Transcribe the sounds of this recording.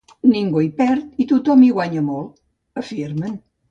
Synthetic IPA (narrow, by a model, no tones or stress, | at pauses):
niŋɡujpɛɾt̪it̪ut̪ɔmiɣwaɲəmolˠ | əfiɾmən